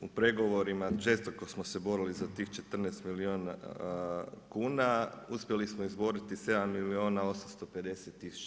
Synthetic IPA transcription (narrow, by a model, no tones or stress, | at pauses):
upɾe̞ɡo̞ʋo̞ɾimaʒe̞st̪oko̞smosebo̞ɾilizat̪iːxt͡ʃe̞t̪r̩neːst̪miliona | kuːnauspje̞lismoizbo̞ɾit̪ise̞d̪amːilio̞ːnao̞samst̪o̞pe̞d̪e̞set̪ːisu̥t͡ʃa